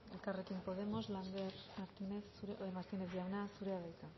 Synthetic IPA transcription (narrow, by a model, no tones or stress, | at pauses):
elkarekimpoð̞emozland̪eɾmaɾt̪ineθuɾemaɾt̪ineθʝawnasuɾeaβejk̪a